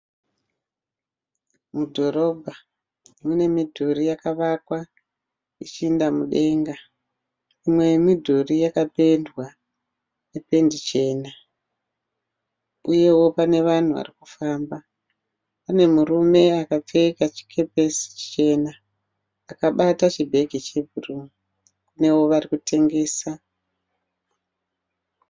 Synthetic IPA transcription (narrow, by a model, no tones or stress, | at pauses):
mudʱo̞ɾo̞bʱa | mune̞midʱorijakaʋakwa | it͡ʃiːndamuɗe̞ŋɡa | imwe̞midʱorijakape̞ndwa | nepe̞ndit͡ʃe̞ːna | uje̞wo̞pane̞ʋan̤uʋa̰riku̥faːmba | pane̞murume̞akap͡fe̞kat͡ʃi̥kʰe̞pe̞si̥t͡ʃe̞naː | kaɓatat͡ʃibʱe̞ɡʱit͡ʃe̞bʱurumu | kune̞wo̞ʋarikute̞ŋɡe̞ːsa